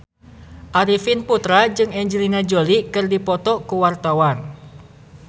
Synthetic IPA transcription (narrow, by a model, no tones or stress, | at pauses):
ʔaɾifinput̪ɾad͡ʒɨŋɛɲd͡ʒəlinad͡ʒolikɨrdipɔt̪ɔkuwart̪awan